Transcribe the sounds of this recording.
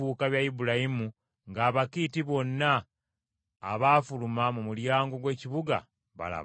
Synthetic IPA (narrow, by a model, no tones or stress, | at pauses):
uːkaβjaibuɾajimu | ŋɡaːβakitiβo̞nːaː | βaːfulumamumuljaːŋɡo̞ɡwe̞ːciβuɡa̰ | βa̰la̰